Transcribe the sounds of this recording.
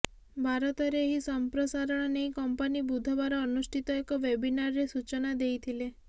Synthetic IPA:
bʱaɾɔt̪ɔɾeːɦisɔmpɾɔsaɾɔɽ̃ɔnejkɔmpanibud̪ʱɔbaɾɔːnusʈʰit̪ɔekɔʋebinaɾɾesut͡ʃɔnad̪ejt̪ʰile

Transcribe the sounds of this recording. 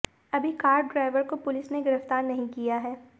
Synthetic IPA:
ɐbʱikaːɾɖːɾaːɪʋəɾkopʊlɪsneɡɪɾəft̪aːɾnɐɦĩkijaɦɛː

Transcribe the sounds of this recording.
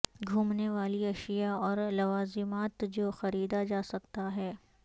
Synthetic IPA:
ɡʱuːmneʋaːliɐʃijaɔːɾlɐʋaːzɪmaːt̪d͡ʒoːxɐɾiːd̪ad͡ʒaːsɐk̚t̪aɦɛː

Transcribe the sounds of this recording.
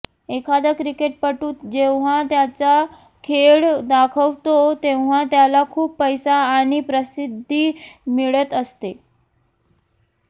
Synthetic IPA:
ekʰad̪əkɾikeʈ̚pəʈuːt̪d͡ʑeʋʋ̤at̪jat͡sa | kʰeɭd̪akʰəʋt̪ot̪eʋʋ̤at̪jalakʰuːpːəjsaːɽ̃ipɾəsid̪ʱːimiɭət̪əst̪e

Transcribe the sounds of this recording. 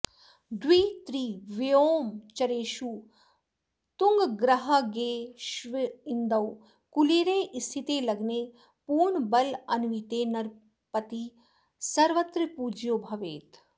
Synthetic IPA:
d̪ʋiːt̪ɾiːʋijoːmt͡ʃɐɾeːʃuː | t̪uŋɡɡɾɐɦɐɡeːʃʋiind̪ɐw | kuleːɾẽːʔist̪ʰit̪eːlɐɡneː | puːɾɳbɐlɐnʋit̪eːnɐɾ | pɐt̪i | sɐɾʋɐt̪ɾipuːd͡ʒjoːbʱɐʋeːt̪

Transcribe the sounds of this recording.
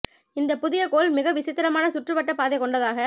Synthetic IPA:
ɪnd̪ɐpʊðɪjɐkoːlmɪɣɐʋɪsɪt̪ːɪɾɐmaːnɐsʊʈrɯpɐʈːɐpːaːðɛɪkɔɳɖɐðaːɣɐ

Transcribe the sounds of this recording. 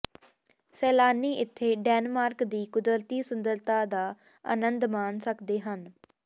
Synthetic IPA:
sɛːlaːniːʔɪt̪ʰːeːɖɛːnmaːɾkd̪iːkʊd̪əɾt̪iːsʊnd̪əɾt̪aːd̪aː | ə̰nə̃nd̪maːnsəkd̪eːɦən

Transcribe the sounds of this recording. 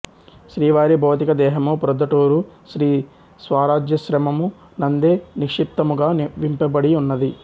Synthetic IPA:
ʃɾiːʋaːɾibʱoːt̪ikɐd̪ɛːɦɐmupuɾɐd̪ɐʈoːɾuʃɾiː | sʋaːɾaːd͡ʒjɐʃɾɐmɐmu | nɐnd̪eːnikʂip̚t̪ɐmuɡaːnʋimpɐbɐɽiunːɐd̪i

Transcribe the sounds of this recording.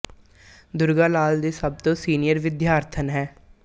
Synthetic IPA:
d̪ʊɾɡaːlaːld̪eːsəb̚t̪õːsiːnɪjəɾʋɪd̪jaːɾt̪ʰənɦɛː

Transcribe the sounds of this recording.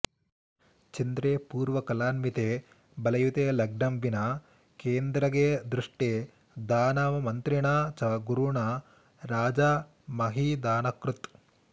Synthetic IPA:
t͡ʃind̪ɾeːpuːɾʋɐkɐlaːnmit̪eː | bɐlɐjut̪eːlɐɡ̚nɐmʋinɐ | keːnd̪ɾɐɡed̪ɾuʂʈe | d̪aːnaːʋɐmɐnt̪ɾiɳat͡ʃɐɡuɾuɳɐ | ɾaːd͡ʒa | mɐɦid̪aːnɐkɾut̪

